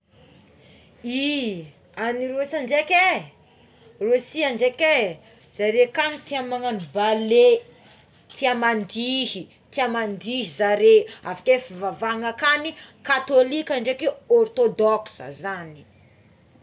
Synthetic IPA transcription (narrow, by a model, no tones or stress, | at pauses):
i | aniɾusaɳɖ͡ʐekʲe | rusiaɳɖ͡ʐeke | z̥aɾekanit̪iamaŋanbale | t̪ʰiamand̪iɦi | t̪iamand̪iɦizaɾeafḁkefivavaŋakanikat̪olikʲaɳɖ͡ʐekeɔrt̪od̪ɔksə̰zani̥